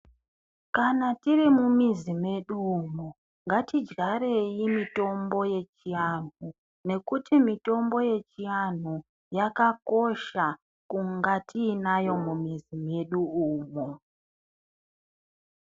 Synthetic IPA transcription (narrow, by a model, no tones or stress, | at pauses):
kanatirimumizime̞ɗuuːmo | ŋɡatid͡ʒɡaɾe̞jimito̞mbo̞je̞t͡ʃijanu | ne̞kutimito̞mbo̞je̞t͡ʃian̤u | jakako̞ʃa | kuŋɡatʰiːnajo̞mumizime̞ɗuuːmo